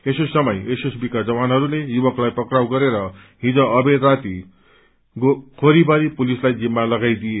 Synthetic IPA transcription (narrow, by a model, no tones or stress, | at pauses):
esusʌmʌjesusbikad͡zʌwanɦʌɾulejubʌklajpʌkrawɡʌɾeɾʌ | ɦĩd͡zʌ̃ʌbed̪rat̪i | kʰoɾibʌɾipulislajd͡zimːalʌɡajd̪ije